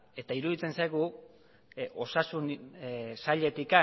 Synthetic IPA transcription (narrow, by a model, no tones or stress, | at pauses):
e̞t̪aiɾuðit͡se̞nsajɣu | ʔo̞sasun | saʎe̞t̪ika